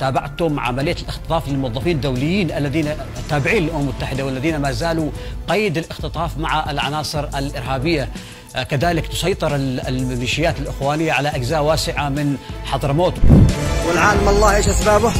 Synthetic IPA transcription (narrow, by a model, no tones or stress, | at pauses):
t̪aːbaʕt̪ʊmʕa̰malɪjːalʔɪxt̪ɨ̥t̪ˤɑːflɪlmʊwɑðˤːɑfiːnd̪ːawlɪjːiːnʔalːaðiːna | t̪ːaːbɪʕiːnɪlʔʊmammʊt̪ːaħɪd̪awɪlːaðiːnamaːzaːluqajːɪd̪ɪlʔɪxt̪ɨt̪ˤɑːfmaʕaɪlʕɑ̰nɑːsˤɨɾalʔɪɾɦaːbɪjːa | kaðaːlɪkt̪ʊ̥sˤɑjt̪ˤɨɾɪmɪʃɪjːaːt̪ɪlʔɪxwaːnɪjːaʕalaʔaɡzaːʔwaːsɪʕamɪnħɑðˤɾˤmoːt̪wɪlʕaːlamɑlˤːɑːhʔeːʃʔasbaːbʊ